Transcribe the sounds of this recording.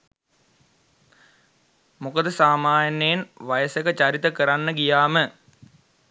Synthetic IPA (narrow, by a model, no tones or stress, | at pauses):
mukəd̪əsaːmaːnejenʋajəsekət͡ʃaɾit̪əkəɾanːəɡijaːmə